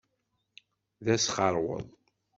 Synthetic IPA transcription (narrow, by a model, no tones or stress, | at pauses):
ðæsχəɾˤwə̰ðˤ